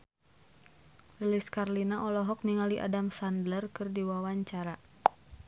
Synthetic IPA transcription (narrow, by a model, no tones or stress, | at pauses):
liliskarlinaʔɔlɔɦɔk̚niŋaliʔa̰damsandlərkɨrdiwawaɲt͡ʃaɾa